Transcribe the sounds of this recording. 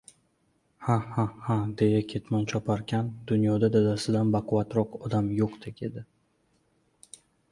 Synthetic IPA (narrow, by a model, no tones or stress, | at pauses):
hahahad̪e̞jakʲʰe̞t̪mant͡ʃʰɒpʰaɾkʲʰand̪ʊnjɒd̪ad̪ad̪asɪd̪anbaqʰʊvat̪ɾɒqɒd̪amjoqd̪ʰekʲe̞d̪ɪ